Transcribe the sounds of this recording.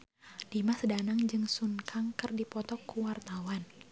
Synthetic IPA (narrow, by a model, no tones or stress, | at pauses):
d̥imasdanaŋd͡ʒɨŋsunkʰaŋkɨrdipɔt̪ɔkːuwart̪awan